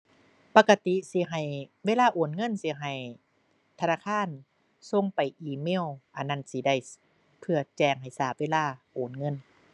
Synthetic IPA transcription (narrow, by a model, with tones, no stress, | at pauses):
pa˧ka˧t̪i˧˦si˧˦ɦa˨˩jweː˧˨laː˧˩˨ʔoː˨˩nŋɤ˧˥˨nsi˧˦ɦa˨˩j | t̪ʰa˧naː˧˥˨kʰaː˧˥˨n | so˧˥˨ŋpa˨jʔiː˧meː˧˥˨wʔa˨˩nːa˧˥˨nsi˧˦da˧˩j | pʰɯ˧ɐ˧t͡ɕɛː˧˩ŋɦa˨˩jsaː˧˩p̚weː˧˨laː˧˩ʔoː˨˩nŋɤ˧˥˨n